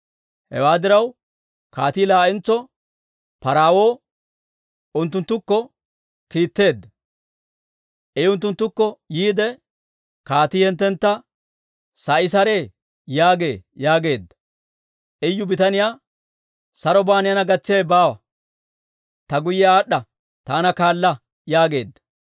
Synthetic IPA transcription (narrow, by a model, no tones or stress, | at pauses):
hɛ̰waːd̪ɪɾɐw | kaːt̪iːlaːʔɪnt͡sːɔ | pɐɾaːwo̞ː | ʊnt̪ːʊnt̪ːʊkːɔ | kiːt̪ːe̞ːd̪ːɐ | ʔɛjʊnt̪ːʊnt̪ːʊkːɔjiːd̪ɛ | kaːt̪iːhɛnt̪ːɛnt̪ːɐ | sɐʔɪsɐɾe̞ː | jaːɡe̞ːjaːɡe̞ːd̪ːɐ̥ | ʔɛjːʊbɪt̪ɐnɪjaː | sɐɾɔbaːnɪjɐnɐɡɐt͡sːɪeːbaːwɐ | t̪ɐɡʊjːɛaːɗːɐ | t̪aːnɐkaːlːɐ | jaːɡe̞ːd̪ːɐ̥